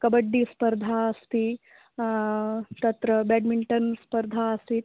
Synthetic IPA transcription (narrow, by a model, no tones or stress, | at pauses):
kɐbɐɖːispɐɾd̪ʱaːɐst̪i | t̪ɐt̪ɾɐbɛːɖmiɳʈɐnspɐɾd̪ʱaɐst̪it̪